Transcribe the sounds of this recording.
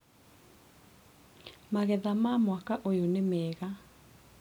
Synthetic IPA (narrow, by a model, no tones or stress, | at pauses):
maɣɛðamamwakaʔojonemɛːɣa